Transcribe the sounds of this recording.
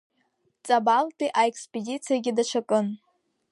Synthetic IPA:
t͡sʼabaltʼiʔaekspʼedʲit͡sʰijaɡʲɪdaʂʰʷakʼɨn

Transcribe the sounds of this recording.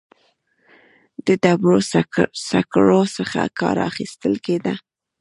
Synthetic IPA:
d̪əd̪abɽosakɽosəxa̰kɑ̰ɾa̰xist̪əlked̪a

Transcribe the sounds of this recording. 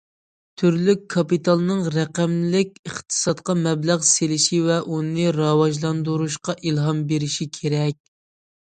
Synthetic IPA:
t̪ʰyɾlykʰːɑpit̪ʰɑlˠɨnɨŋɾɛqæmlɪkʲəχt̪ʰɨ̥sɑt̪qɑmɛblæʁselɪʃivɛʔunɨɾɑwɑʒlˠɑnd̪uɾuʃqɑʔilˠɦɑmbeɾɪʃikʲʰeɾɛkʲ

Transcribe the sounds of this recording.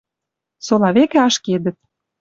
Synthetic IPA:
solɑβekĕɑʃked̪ə̆t̪̚

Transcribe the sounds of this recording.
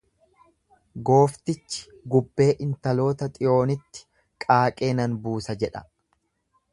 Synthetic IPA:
ɡo̞ːft̪ɪt͡ʃːɪ̥ | ɡʊbːe̞ːʔɪnt̪ɐlo̞ːt̪ɐt̪ʼɪjo̞ːnɪt̪ːɪ̥ | kʼaːkʼe̞ːnɐnbuːsɐd͡ʒɛᶑɐ̥̰

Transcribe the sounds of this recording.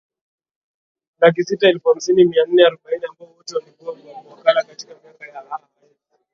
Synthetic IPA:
lak̬isitaɛlfuam̩sinimian̩ːɛaɾɔɓainiambaɔɔtɛwalikuwamiwamɔakalakati̥kamiakajaa | aɛ

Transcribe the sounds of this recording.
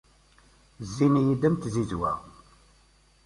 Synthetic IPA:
zːinijid̪æmt̪zizwæ̰

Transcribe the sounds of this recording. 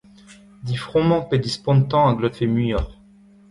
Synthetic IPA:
d̪ifχɔ̃mɑ̃ped̪ispɔ̃nt̪ɑ̃ɑ̃ɡlɔt̪femyjɔʁ

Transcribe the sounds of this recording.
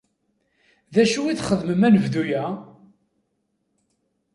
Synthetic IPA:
ðæʃuiθχəðməmænəvðujæ

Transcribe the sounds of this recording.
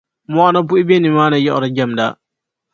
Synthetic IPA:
mɔanabuʔibenimaːnajɔʔɔɾɔd͡ʒamda

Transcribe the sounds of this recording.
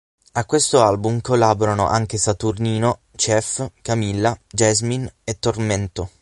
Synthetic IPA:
akwest̪oalbumkolːaːboɾano̰ʔaŋkesat̪urniːno | t͡ʃɛfkamilːad͡ʒɛzminet̪ːorment̪o

